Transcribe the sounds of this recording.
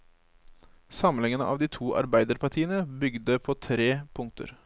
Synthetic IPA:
sɑmlɪŋənə̰ʔɑ̰ʋd̪iːt̪ʰuːʔɑ̰ɾbæɪd̪əɾpɑʈʰiːənəbʏɡd̪əpʰoːt̪ʰɾeːpʰʊŋt̪ʰə̰ɾ

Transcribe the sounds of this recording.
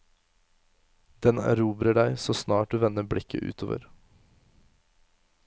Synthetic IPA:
d̪̥ɛnɾuːbɾəɖæɪsoːsnɑːʈ̚d̪ʉːʋɛnəbɽɪkə̰ʔʉ̰ːt̪ʰo̰ːʋə̰ɾ

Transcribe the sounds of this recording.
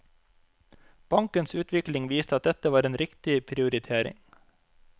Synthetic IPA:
b̥ɑŋkənsʉːt̪ʋɪklɪŋʋiːst̪əɑt̪̚d̪ɛt̪əʋɑːɾeːnɾɪkt̪ɪpʰɾɪʊɾɪt̪ʰeːɾɪ̰ŋ

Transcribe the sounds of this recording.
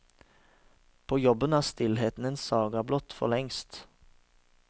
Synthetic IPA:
pʰoːjɔbənæːʁst̪ɪlɦeːt̪n̩eːnsɑːɡɑblɔt̪fɔ̰ʁlɛŋst̪

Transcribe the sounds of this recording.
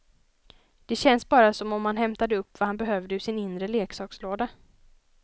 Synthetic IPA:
d̪̥ɛɕɛnsbɑːɾasɔmɔmhan̪ɦɛmt̪ad̪əɵpːvahanbɛɦœːvd̪əɵʂɪnɪnd̪ɾəleːksɑːksloːd̪a

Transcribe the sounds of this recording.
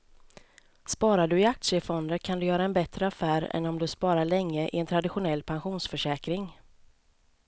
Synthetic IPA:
spɑːɾaɖɵɪak̚t̪sɪəfɔnd̪əɾkʰand̪ɵjœːɾaɛnbɛt̪ɾəafæːɾɛ̰nːɔmd̪ɵspɑːɾaɭɛŋːəʔɪ̰ɛnt̪ʰɾad̪ɪɧʊnɛlːpʰanɧuːnsfœʂɛːkɾɪŋ

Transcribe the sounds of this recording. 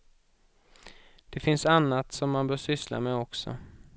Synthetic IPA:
d̪̥ɛfɪnsanːat̪sɔmːanbœːʂʏsla̰mɛɔksɔ̰

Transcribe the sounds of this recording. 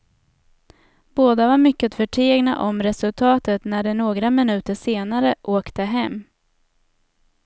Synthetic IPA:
boːd̪avaɾmʏkːət̪fœʈʰeːɡna̰ʔɔmɾɛsɵlt̪ʰɑːt̪ət̪næɖɛnoːɡɾamɪnʉ̟ːt̪əʂeːnaɾəʔoːkt̪əɦɛmː

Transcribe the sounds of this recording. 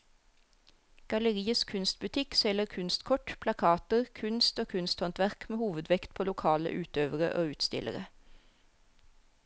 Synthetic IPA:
ɡ̥ɑləʁiːəskʰʉnst̪̚bʉt̪ʰɪksɛləʁkʰʉnst̪kʰɔʈpʰlɑkʰɑːt̪əʁkʰʉnst̪oːkʰʉnst̪hɔnt̪ʋæʁkmeːhuːʋəd̪ʋɛkt̪̚pʰoːlʊkʰɑːlə̰ʔʉːt̪øːʋəʁə̰ʔo̰ːʉːt̪st̪ɪ̰lʔə̰ʁə

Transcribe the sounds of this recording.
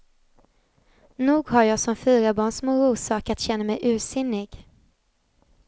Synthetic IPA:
nuːɡhaɾjɑːɡsɔmfyːɾabɑːɳsmoːɾuːsɑːkat̪ɕɛnːamɛjʔʉ̟ːsɪnːɪɡ

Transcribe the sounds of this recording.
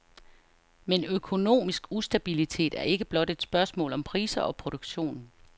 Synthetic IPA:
menøkʰo̝no̝̰ːmisɡ̥usd̥æb̥ilit͡sʰe̝̰ːd̥æɐe̝ɡ̥əb̥lɒ̽d̥e̝d̥sb̥ɶɐsmɔ̰̽ːlɒ̽mpʰʁiːsɐʔɒ̽pʰʁo̝ɾ̥oɡ̥ɕo̝̰ːn

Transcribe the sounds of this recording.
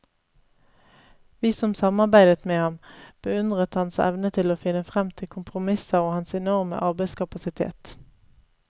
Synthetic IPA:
ʋiːsɔmsɑmɑʁbæɪd̪ət̪meːhɑmb̥əʉnd̪ʁət̪hɑnsɛ̰ʋnət̪ʰɪloːfɪnəfʁɛmt̪ʰɪkʰʊmpʰʁʊmɪsɑʁoːhɑnsɛnɔʁmə̰ʔɑʁbæɪskʰɑpɑsɪt̪ʰḛːt̪

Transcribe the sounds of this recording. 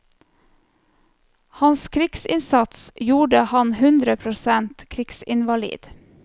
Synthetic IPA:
hɑnskʰɾɪksɪ̰nsɑt̪sjuːɖəhɑnhʉnd̪ɾəpʰɾʊsɛnt̪kʰɾɪksɪnʋɑlḭːd̪̥

